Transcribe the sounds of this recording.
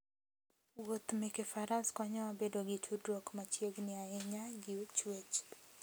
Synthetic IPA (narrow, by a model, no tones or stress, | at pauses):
wot̪mɪkefaɾaskwaɲɔwabedoɡɪtʰudɾokmat͡ʃjeɡnɪaɛɲaɡit͡ʃwet͡ʃ